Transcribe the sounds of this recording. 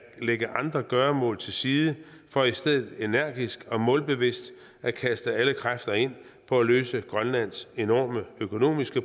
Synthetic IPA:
leɡ̥əʔɑ̈nd̥ʁɐɡ̥ɶːɐmɔ̰̽ːlˠt͡sʰe̝lsiːðˠə | fɒ̽isd̥eð̰ˠð̩ˠe̝næɐ̰ɡ̥isɡ̥ɒ̽mɔ̽ːlb̥e̝ʋe̝sd̥ | ʔækʰæsd̥əæləkʰʁafd̥ɐe̝n̰ | pʰɒ̽æløːsəɡ̥ʁɶnlæn̰se̝nɒ̰ːməøkʰo̝no̝̰ːmisɡ̥ə

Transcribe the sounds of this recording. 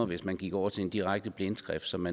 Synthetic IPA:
ɐʋe̝smænɡ̥iɡ̥ɒʊ̰ɐt͡sʰe̝end̥iʁaɡ̥̚d̥əb̥len̥sɡ̥ʁɛfd̥sɒ̽mːæ

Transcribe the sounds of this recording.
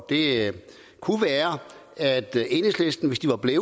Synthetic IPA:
d̥e̝ | kʰuʋæːɐ | æd̥e̝nəslesd̥n̩ʋe̝sd̥iʋɑ̈b̥leː

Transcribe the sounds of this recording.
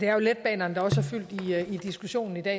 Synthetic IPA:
d̥e̝æɐjo̝led̥̚b̥ɛ̰ːnɐnəd̥ɑ̈ɒ̽sæɐfyl̰d̥iid̥isɡ̥uɕo̝̰ːnn̩id̥ɛ̰

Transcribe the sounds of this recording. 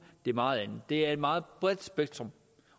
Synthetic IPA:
d̥e̝ɐmɑ̈ːð̩ˠæn̩ˠd̥e̝æɐe̝d̥mɑ̈ːð̩ˠb̥ʁɛð̥ˠsb̥eɡ̥̚t͡sʰʁɔm

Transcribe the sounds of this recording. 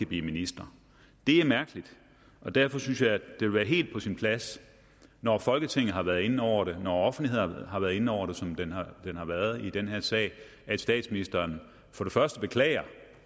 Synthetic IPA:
əb̥lḭminisd̥ʁɐ | d̥e̝æɐmæɐɡ̥əlid̥ | ʔɒ̽d̥æɐfɒ̽synsjɑ̈ɪæd̥ee̝ʋæːɐɦe̝̰ːld̥̚pʰɒ̽sinpʰlæs | nɒfɒ̽lɡ̥ət͡sʰeŋ̰ð̩ˠɦɑ̈ʋæɐðˠe̝nn̩ɒʊ̰ɐɾe̝nɒɒ̽fn̩lihe̝̰ɦɑ̈ʋæːɐðˠe̝n̩ɒʊ̰ɐɾ̥e̝sɒ̽md̥end̥enhɑ̈ʋæːɐð̞̩ˠid̥enɦæɐsɛ̰ː | æd̥sd̥ɛ̰ːd̥sminisd̥ɐːn | fɒ̽ɾ̥e̝fɶɐsd̥əb̥e̝kʰlɛ̰ːɪɐ

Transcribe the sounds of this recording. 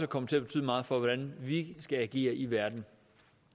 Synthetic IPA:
səkʰɒ̽m̰ət͡sʰe̝æɐb̥e̝t͡sʰy̰ːð̰ˠmɑ̈ːð̞̩ˠfɒ̽ʋɒd̥ænʋisɡ̥ææɡ̥e̝̰ːɐʔiʋæɐd̥n̩

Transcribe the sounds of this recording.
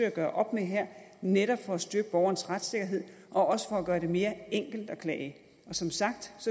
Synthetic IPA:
øæɡ̥ɶːɐʔɒ̽b̥meɦæɐ̰neɾɒ̽b̥fɒ̽æsd̥yɡ̥əb̥ɒʊɐn̩əsʁad̥se̝ɡ̥ɐɦe̝ð̞̰ˠ | ʔɒ̽ɒ̽sə̥fɒ̽æɡ̥ɶːɐɾe̝me̝ːɐeŋ̰ɡ̥l̩d̥ɒ̽kʰlɛ̰ː | ʔɒ̽sɒ̽msɑ̈ɡ̥̚d̥sɒ

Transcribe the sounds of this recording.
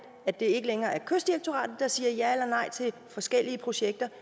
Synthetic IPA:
æd̥e̝e̝ɡ̥əleŋɐːæɐkʰøsd̥iʁeɡ̥t͡sʰo̝ʁɑ̰̈ːd̥ð̩ˠd̥ɑ̈siːɐjæelɐnɑ̈ɪ̰t͡sʰe̝lfɒ̽sɡ̥el̰iəpʰʁo̝ɕeɡ̥̚d̥ɐ

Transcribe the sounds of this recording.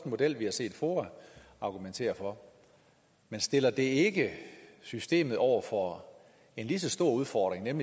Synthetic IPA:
d̥mo̝d̥el̰ʋihɑ̈se̝̰ːd̥foː | ɑ̈ɡ̥ument͡sʰe̝̰ːɐfɒ̽ | mensd̥e̝lɐd̥e̝e̝ɡ̥əsysd̥e̝̰ːmð̞̩ˠɒʊ̰ɐfɒ̽ | e̝nlis̬əsd̥o̝ɐ̰uð̞ˠfɒd̥ʁeŋnemli

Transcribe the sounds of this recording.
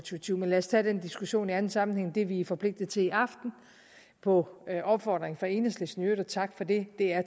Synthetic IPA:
t͡sʰut͡sʰiʊ̰menlæɐst͡sʰɛd̥end̥isɡ̥uɕo̝̰ːniæn̩sɑ̈mn̩heŋ̰d̥e̝ʋiæfɒ̽pʰle̝ɡ̥̚d̥ð̩ˠt͡sʰe̝iɑ̈fd̥n̩ | pʰɒ̽ʔɒ̽b̥fɒ̰ːd̥ʁeŋ̩fʁɑ̈e̝ːnəslesnø̰ːðˠɒt͡sʰɑ̈ɡ̥fɒ̽de̝d̥e̝æɐ

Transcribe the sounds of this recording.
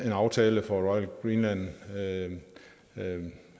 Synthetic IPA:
e̝nɑ̈ʊt͡sʰɛːləfɒʁɒɪəlɡ̥ʁiːnlæn̰

